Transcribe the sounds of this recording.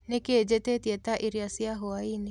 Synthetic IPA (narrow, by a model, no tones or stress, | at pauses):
nekeːd͡ʒɛtetjɛtaʔiɾiasiaɦoaini